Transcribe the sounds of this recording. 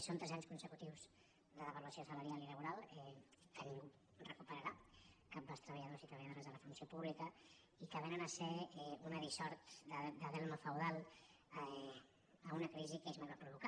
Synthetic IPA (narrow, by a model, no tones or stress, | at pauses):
sont̪ɾɛzaɲskunsəkut̪iwz | ðələβəluəsiosələɾialiləβ̞uɾalˠɛkəniŋɡu | rəkupəɾəɾakəmbast̪ɾəβəʎaðozit̪ɾəβjaðoɾəzðələfunsiopuβlikə | ikəβenənəsɛunəðisɔɾt̪d̪əd̪əðɛlˠməfəwðalˠ | əunəkɾizikezmaβapɾuβuka